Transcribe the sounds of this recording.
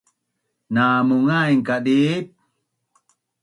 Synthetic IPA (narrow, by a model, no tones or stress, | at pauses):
namuŋajŋkadip̚